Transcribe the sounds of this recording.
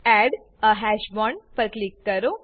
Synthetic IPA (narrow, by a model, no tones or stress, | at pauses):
æɖ | əɦæɕbɔɳpəɾklikːəɾo